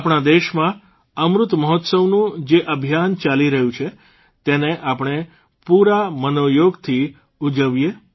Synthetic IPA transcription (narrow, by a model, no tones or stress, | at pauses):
apɳ̃ad̪eʃmã | əmɾʊt̪məɦɔt̪səʋnũd͡ʒeʔəbʱjant͡ʃaliɾəɦjũt͡ʃʰe | t̪eneʔapɳ̃e | puɾamənojoɡt̪ʰi | ud͡ʒəʋje